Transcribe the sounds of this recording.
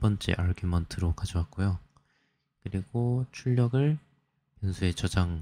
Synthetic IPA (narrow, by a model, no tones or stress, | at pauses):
p͈ʌnt͡ɕ͈ḛʔaɭɡʰimʌntʰɯɾokad͡ʑʌwak̚k͈ojo | kɯɾiɡot͡ɕʰuʎːʌɡɯɭ | pjʌnsʰue̞t͡ɕʌd͡ʑaŋ